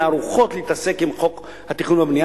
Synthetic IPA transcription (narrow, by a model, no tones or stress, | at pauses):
aːɾuχo̞t̪liitase̞kimχo̞k | hat̪iχunabnija